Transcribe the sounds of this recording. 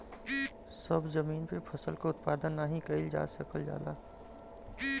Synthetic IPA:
səbzəmiːnpepʰəsəlkaʊt̪̚paːd̪ənːaɦĩkəɪld͡ʒa̰ːsəkəld͡ʒa̰ːd̪a̰ː

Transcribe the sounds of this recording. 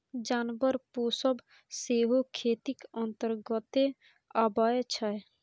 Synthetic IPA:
d͡ʒaːnbəɾpoːsəb | seɦokʰeːt̪ikənt̪əɾɡət̪e | abaet͡ʃʰəe

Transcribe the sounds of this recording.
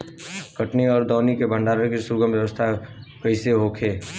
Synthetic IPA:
kəʈniɔːɾd̪ɔːnikebʱə̃ɳɖaːɾəkisʊɾɡəmbjəʋəst̪ʰakəɪseɦokʰeː

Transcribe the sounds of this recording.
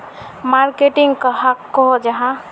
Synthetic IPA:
maɾkeʈɪŋɡkaɦakːɔɦd͡ʒɐɦã

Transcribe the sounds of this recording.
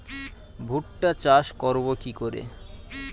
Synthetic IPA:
bʱuʈʈat͡ɕaʃkɔɾbokikoɾḛ

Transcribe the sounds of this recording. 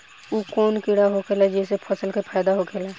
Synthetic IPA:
uːkoːnkɪɽaɦokʰeːlad͡ʒɛːs̬epʰəsəlkepʰaːd̪aɦokʰeːlɛː

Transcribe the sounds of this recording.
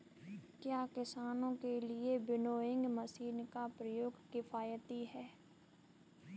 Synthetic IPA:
kjaːkɪsaːnõkeliebɪnoːɪ̃ŋɡmɐsiːnkapɾɐjoːɡkɪfaːjət̪iɦɛː

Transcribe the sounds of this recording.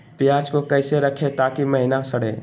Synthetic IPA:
pjaːd͡ʒkokɐɪseɾəkʰet̪aːkimɐɦɪnasɐɽ̤ḛː

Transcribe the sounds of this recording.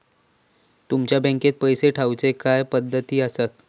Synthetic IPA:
t̪umt͡ɕjabɛ̃ŋket̪̚pəjseʈʰawt͡sekajpəd̪ʱːət̪iːəsə

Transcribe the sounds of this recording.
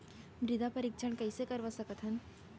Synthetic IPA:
mɾɪd̪ʱapɐɾikt͡ʃʰəɳ̃kɐisekɐɾʋasɐkət̪ɦɐn

